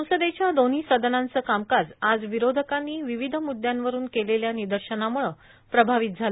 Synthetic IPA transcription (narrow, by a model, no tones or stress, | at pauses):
əwsəd̪et͡ɕjad̪on̤iːsəd̪ʱənant͡səːkamkad͡zad͡zʋiɾod̪ʱəkanːiːʋiʋid̪ʱəmud̪jãnʋəɾuːnkeleljanid̪əɾɕənamuɭə | pɾəbʱaʋit̪̚d͡zʱal